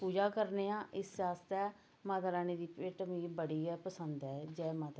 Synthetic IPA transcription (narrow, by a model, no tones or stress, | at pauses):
puːd͡ʒaːkəɾneːãːʔɪsaːst̪ɛː | mãːt̪aɾaːneːd̪iːpeːʈəmiːbəɽiːɛːpəsənd̪ɛːd͡ʒɛːmaːt̪